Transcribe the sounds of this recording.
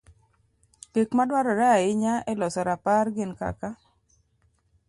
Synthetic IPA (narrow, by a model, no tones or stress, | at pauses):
kekmadwaɾɔɾaaɪɲaɛlɔsɔɾaparɡɪnka̰ka